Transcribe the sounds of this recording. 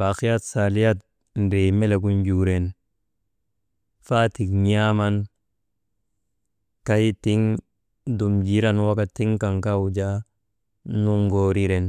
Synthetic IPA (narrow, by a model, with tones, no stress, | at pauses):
ba˨xi˦ja˦tsa˨li˦ja˦t̚ | n˨ɾe˨me˦le˨k̬u˦nd͡ʒu˨ɾe˨n | fa˦ti˨kɲa˦ma˦n | ka˦jti˦ŋ | du˨md͡ʒi˦ɾa˦nwa˦ka˨ti˦ŋka˨ŋka˦wu˨d͡ʒa˦ | nu˦ŋɡo˨ɾi˦ɾe˨n